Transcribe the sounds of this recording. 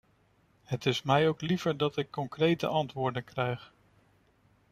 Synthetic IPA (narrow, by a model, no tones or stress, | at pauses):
ɦətɪsmɛjowklivəɹdɑtɪkːɔŋkrejtə̰ʔɑntʋʊːɹdənkrɛjχ